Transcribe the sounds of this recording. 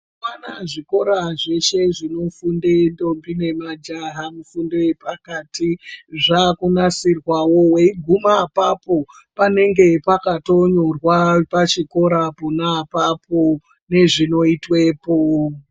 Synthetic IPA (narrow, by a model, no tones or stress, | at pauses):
wana̰ʐiko̞ɾaʐe̞ʃe̞ʐino̞fundendo̞mbine̞mad͡ʒaɦamufundeepakaːtiʐakunasirwawo̞weiɡʱumapapo̞ | pane̞ŋɡe̞pakatoɲo̞rwapat͡ʃiko̞ɾapunapapo | ne̞ʐino̞itwe̞ːpo